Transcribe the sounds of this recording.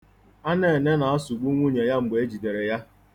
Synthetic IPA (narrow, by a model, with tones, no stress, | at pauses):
a˦ne˦˨ne˦na˨a˦su˨ɡ͡bu˦ŋʷu˦ɲe˨ja˦ŋ͡m̩˨ɡ͡be˨e˦d͡ʒi˨de˨ɾe˨ja˦